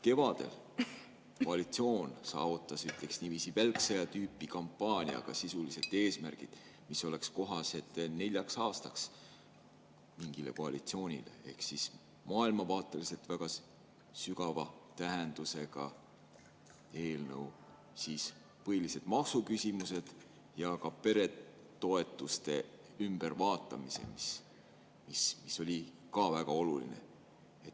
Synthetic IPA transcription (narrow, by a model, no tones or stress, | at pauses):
ke̞vɑd̪̥e̞̰l | koɑlit̪sio̞ːnsɑ̰ːvut̪ːˑɑsyt̪ˑle̞ksnivisivælksɑjɑt̪yːpːˑikɑmpːˑɑːnʲiɑ̰ɡ̥ɑ̰sisulise̞lt̪e̞ːsmærɡ̥id̪̥ | miso̞le̞ksko̞ɦɑse̞t̪ːˑnelʲjɑksɑːst̪ɑks | miŋɡ̥ile̞̰ko̞ɑlit̪sio̞ːnʲḭle̞̰e̞̰hksis | mɑːilmɑvɑːt̪ːˑe̞lise̞lt̪væɡ̥ɑ | syɡɑvɑt̪æɦend̪̥use̞ɡɑ | e̞ːlnɤw | sis | pɤjlise̞d̪̥mɑksukysʲimuse̞d̪̥ | jɑkɑpe̞ɾe̞ | t̪o̞e̞t̪ːˑust̪e̞ | ymb̥ervɑːt̪ˑːɑmise̞̰mis | mismisːo̞lʲikɑvæɡ̥ɑo̞lulḭne̞̰ | et̪ː